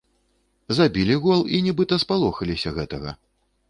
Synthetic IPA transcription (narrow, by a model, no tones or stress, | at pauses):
zabʲilʲiɣɔlˠinʲɛbɨt̪ɐspalˠɔxɐlʲisʲɐɣɛt̪ɐɣɐ̰